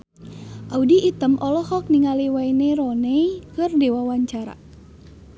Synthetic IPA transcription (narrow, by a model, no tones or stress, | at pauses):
ʔaudiʔːt̪əmʔɔlɔhɔk̚niŋaliwaineɾɔnɛjkɨrdewawaɲt͡ʃaɾa̰